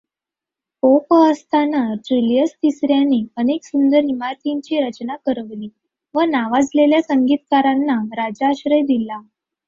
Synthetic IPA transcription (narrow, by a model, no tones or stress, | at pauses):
popəəst̪ʰanaʈɾiljəst̪isɾjanːiəneksund̪əɾɦimat̪iɲt͡ɕiːɾət͡ɕnakəɾəʋliː | ʋənaʋad͡zleljasəŋɡiːt̪kaɾanːaɾad͡ʑaːɕɾəjd̪ila